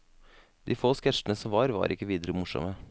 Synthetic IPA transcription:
d̪̥iːfoːskɛʂənəsɔmʋɑːɾʋɑ̰ːɾʔɪkːəʋiːd̪əɾəmʊʂɔ̰mə

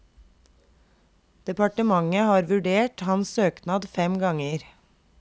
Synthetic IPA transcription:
d̪̥ɛpɑʈəmɑŋəhɑːɾʋʉɖeːʈhɑnssøːknɑːd̪fɛmɡɑŋəɾ

